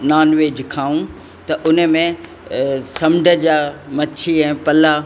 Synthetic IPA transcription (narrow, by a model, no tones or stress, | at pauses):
naːnʋeːd͡ʑɪkʰaːũ | t̪ɐʔʊnə̆mẽ | sɐmɖʱəd͡ʑaːmɐt͡ʃʰiɛ̃ːpɐla